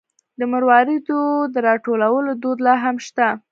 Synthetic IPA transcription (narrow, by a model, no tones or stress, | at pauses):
d̪əməɾwɑɾid̪od̪əɾɑʈolawəlod̪od̪lɑɦamʃt̪a